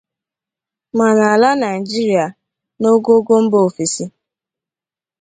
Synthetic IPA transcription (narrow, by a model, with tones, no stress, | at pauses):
ma˨na˨a˨la˦na˨ɪ˨d͡ʒi˦ɾi˨a˨ | no˦ɡo˦ɡo˦m̩˦bo˦˨fi˨si˨